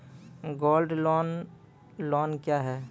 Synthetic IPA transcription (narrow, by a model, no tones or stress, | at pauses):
ɡoːlɖlɔːn | lɔːnkjaːɦɛː